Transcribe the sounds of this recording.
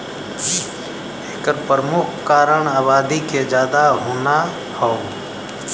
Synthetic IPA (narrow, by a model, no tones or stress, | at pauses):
eːkəɾpɾəmʊkʰkaːɾəɳaːβaːd̪iked͡ʒjaːd̪aɦoːna | hɔː